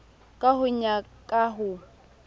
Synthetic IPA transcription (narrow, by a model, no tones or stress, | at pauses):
kʼaɦʊɲa | kʼaɦʊ